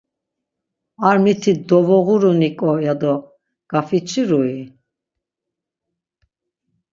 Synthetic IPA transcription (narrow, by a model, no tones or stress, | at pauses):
aɾmit̪ʰid̪ɔvɔɣuɾɔnikʼɔjad̪ɔ | ɡ̥afit͡ʃʰiɾui